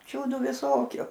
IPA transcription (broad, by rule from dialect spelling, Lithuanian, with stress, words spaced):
ˈt͡ʃʲuːdʊ ʋʲɪˈsoːkʲʊ